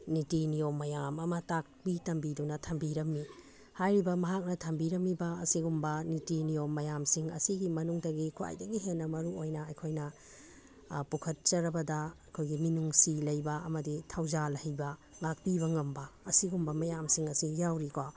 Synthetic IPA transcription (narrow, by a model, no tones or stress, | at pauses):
nitinijomːɐjamɐmɐtak̚bitɐmbidunɐtʰɐmbiɾɐmːi | hajɾibɐmɐɦak̚nɐtʰɐmbiɾɐmibɐɐ̰siɡumbɐnitinijomːɐjamsiŋɐ̰siɡimɐnuŋdɐɡikʰua̰jdɐɡiɦenːɐmɐɾuojnɐɐjkʰojnɐ | pukʰɐt̚t͡ʃɐɾɐbɐdɐɐjkʰojɡiminuŋsilɐjbɐɐ̰mɐditʰawzalɐhɐjbɐŋak̚pibɐŋɐmbɐːsiɡumbɐmɐjamsiŋɐsijawɾika